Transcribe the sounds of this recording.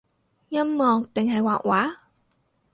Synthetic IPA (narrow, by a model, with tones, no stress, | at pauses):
jɐ˥mmɔː˨ŋt̪ɪ˨ŋɦɐ˨jwaː˨k̚waː˨˥